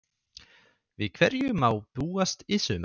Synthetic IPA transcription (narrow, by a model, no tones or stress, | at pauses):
vɪðkʰvɛɾjʏmaːwpuːast̪ɪsʏm